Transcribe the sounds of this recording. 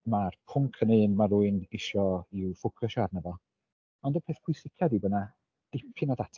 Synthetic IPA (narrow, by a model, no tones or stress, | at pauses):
marpʰʊŋkʰənɨːnmaɾuɨnɪʃɔiwfʊkʰɔʃarnəvɔ | ɔndəpʰeːθpʰʊjsɪkʰadibəna | d̥ɪpʰɨnadatʰ